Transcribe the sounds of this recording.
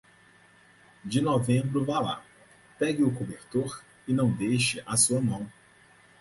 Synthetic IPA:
d͡ʒɪnɔvẽmbɾʊvala̰ | pɛɡɪʊkobeɾt̪oɾ | ɪnɐ̃w̃d̪ejʃɪʔɐsuɐmɐ̃w̃

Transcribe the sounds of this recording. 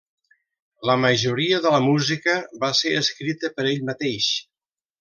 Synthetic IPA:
ləməʒuɾiəðələmuzikəβaseəskɾit̪əpəɾeʎmət̪eʃ

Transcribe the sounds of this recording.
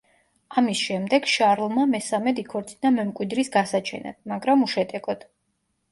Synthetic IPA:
amisʃɛmd̪ɛɡʃaɾlˠmamɛsamɛd̪ikʰɔɾt̪sʼinamɛmkʼwid̪ɾisɡasat͡ʃʰɛ̰na̰d̪maɡɾamuʃɛt̪ʼɛɡʼɔd̪̥

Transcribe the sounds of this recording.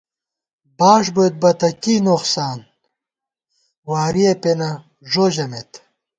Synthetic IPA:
baːʂ̬bujt̪̚bɐt̪ɐkiːnoqsaːn | waːɾiepenɐ | ʐoʑɐmet̪

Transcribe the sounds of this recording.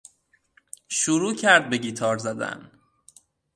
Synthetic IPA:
ʃuɾuːcʰæɾd̪̚beɟiːt̪ʰɒːɾzæd̪æ̰n

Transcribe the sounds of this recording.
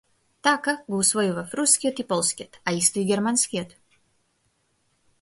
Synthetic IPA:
t̪akɐɡˠusvɔjuvɐfɾuskʲijɔt̪ipɔlˠskʲiɔt̪aist̪ɨiɡʲɛɾmanskʲijɔt̪

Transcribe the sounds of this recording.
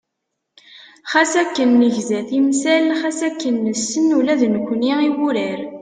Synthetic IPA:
χæsækːənːəʝzæθimsælχæsækːənːəsːənulæðnəkʷːniiwuɾəɾ

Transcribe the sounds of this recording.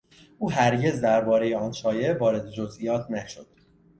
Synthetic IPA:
ʔuːɦæɾɟe̞zd̪æɾbɒːɾe̞jeɒːnʃɒːje̞ʔvɒːɾe̞d̪e̞d͡ʒozʔijɒːt̪ʰnæʃod̪̥

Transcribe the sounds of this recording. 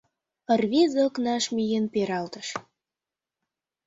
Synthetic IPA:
ərβizoknɑʃmijenpeɾɑlt̪əʃ

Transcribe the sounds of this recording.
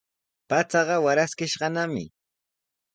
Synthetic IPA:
pat͡sɑɢɑwaɾaskɪʃɢɑnamɪ̰

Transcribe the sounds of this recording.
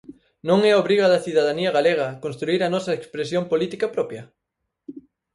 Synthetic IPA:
nõŋɛoβɾiɣɐðɐθiðaðaniɐɣaleɣɐkonst̪ɾuiɾɐnɔsɐekspɾesjompolit̪ikɐpɾɔpjɐ

